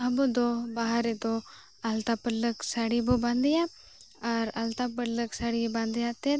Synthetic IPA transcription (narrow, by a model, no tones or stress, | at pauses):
ɐbɔd̪ɔbaɦaɾed̪ɔ | ɐlt̪apələksaɽibobãnd̪ɪja | ɐɾalt̪apələksaɽibãnd̪jat̪e